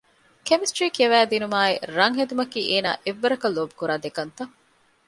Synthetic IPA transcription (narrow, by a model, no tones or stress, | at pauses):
kemisʈɾiːkiɐʋæːd̪inumaːḛɾɐŋɦed̪umɐkiːʔeːna̰ːʔeʋːɐɾɐkɐlobukuɾaːd̪ekɐnt̪ɐŋ